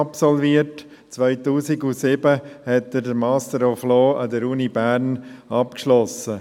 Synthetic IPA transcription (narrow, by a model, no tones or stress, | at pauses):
ɑpsɔlviəɾt | t͡sʋœɪtuːsiɡusɪbəhɛt̚dədəɾmɑːstəɾɔfloːɑd̪əɾuːnibæːɾnɑpkʃlɔsə